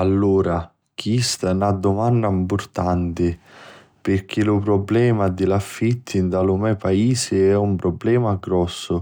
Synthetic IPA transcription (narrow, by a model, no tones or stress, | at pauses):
alːuːɾa | k̟ist̪anad̪ʊmanːaimpʊrt̪ant̪ɪ | pɪrk̟ilʊpɾɔblɛːmad̪ɪlafːit̪ʰːind̪alumɛpaiːsɪɛumpɾɔblɛːmaɡɾɔsːʊ